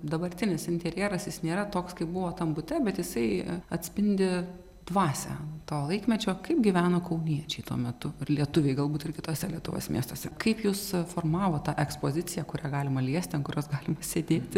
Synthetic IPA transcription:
d̪ɐbɐrʲt̪ʲɪnʲɪsɪnʲt̪ʲɛɾʲjiɛɾɐsjɪsnʲeːɾɐt̪oːkskɐɪpbʊʋoːt̪ɐmbʊt̪ʲɛbʲɛt̪jɪsɐɪɐt̪ʲsʲpʲɪnʲd̪ʲɪ | d̪ʋɑːsʲæ̰ːt̪oːlˠɐɪkmʲɛt͡ʃʲoːkɐɪpɡʲiʋʲæːnoːkɐʊnʲiɛt͡ʃʲɛɪt̪ṵɔmʲɛt̪ʊɪrlʲiɛt̪ʊʋʲɛɪɡɐlˠbuːt̪ɪrkʲɪt̪oːsʲɛlʲiɛt̪ʊʋo̰ːsmʲḭɛst̪oːsʲɛkɐɪpjuːsfoːrmɑːʋoːt̪ːɑːʔɛkspoːzʲɪt͡sʲɪjæːkʊɾʲæːɡɑːlʲɪmɐlʲiɛsʲt̪ʲɐnkʊɾʲoːsɡɑːlʲɪmɐsʲeːd̪ʲeːt̪ʲ

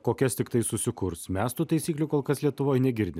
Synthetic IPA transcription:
koːkʲɛst̪ʲɪkt̪ɐɪsʊsʲɪkʊɾsmʲɛst̪uːt̪ɐɪsʲiːklʲʊkoːlˠkɐslʲiɛt̪ʊʋoːjnʲɛɡʲɪɾʲd̪ʲɪ

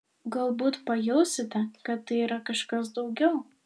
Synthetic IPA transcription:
ɡɐlˠbuːt̪pɐjɛʊsʲɪt̪ʲɛkɐt̪ːɐɪiːɾɐkɐʃkɐsd̪ɒʊɡʲɛʊ

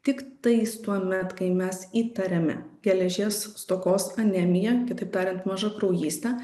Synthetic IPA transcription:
t̪ʲɪkt̪ɐɪst̪uɔmʲɛt̪kɐɪmʲɛsiːt̪ɐɾʲɛmʲɛ̰ɡʲɛlʲɛʒʲeːsst̪oːkoːsɐnʲɛmʲɪjɛkʲɪt̪ɐɪp̚t̪ɑːɾʲɛnt̪mɐʒɐkɾɐʊjiːsʲt̪ʲɛ

